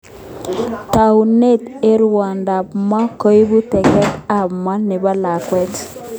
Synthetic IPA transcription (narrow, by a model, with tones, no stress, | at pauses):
ta˨u˨ne˦˨te˦ɾwa˨nda˨p̚ma˦ko˦i˦bu˦tɛ˨kɛ˦ta˦˨pma˦nɪ˨ba˦la˨kwɛ˦t